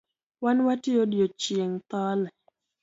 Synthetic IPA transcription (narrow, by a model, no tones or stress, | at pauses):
wanwatɪodjot͡ʃjeŋt̪ɔlɛ